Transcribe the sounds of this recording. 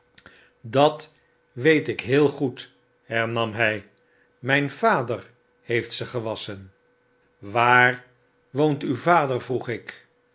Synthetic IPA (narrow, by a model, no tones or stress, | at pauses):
dɑt | ʋejtɪkɦɪːlˠχut | ɦɛɹnɑmɦɛj | mɛjnv̥aːdəɹ | hejftsəχəʋɑsən | ʋaːɹ | ʋowntywvaːdəɹvruχɪk